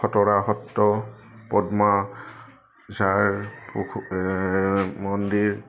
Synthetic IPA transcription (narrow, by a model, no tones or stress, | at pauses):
ɔtɔɹaɦɔtːɔpɔdma | zaɹpu | mɔndiɹ